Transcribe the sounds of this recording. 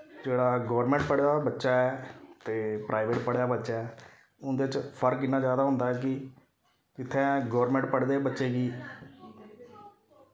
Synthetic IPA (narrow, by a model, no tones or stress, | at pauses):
d͡ʒeːɽaːɡɔːɾmɛ̃ːɳʈ̚pəɽjaːbətːʃaːɛːt̪eːpɾʔaːɪʋeːʈpəɽejaːbətːʃaːɛː | ʊnd̪eːɪt͡ʃpʰəɾkɪnːãːd͡ʒjaːd̪aːɦʊ̃nd̪aːɛːkɪ | kɪt̪ʰːɛ̃ːɡɔːɾmɛ̃ɳʈpəɽd̪eːbətːʃeːɡiː